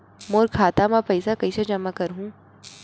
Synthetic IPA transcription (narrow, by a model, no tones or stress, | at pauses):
moːɾkʰaːt̪amãpɐɪsakɐɪsad͡ʒɐmakɐɾɦũː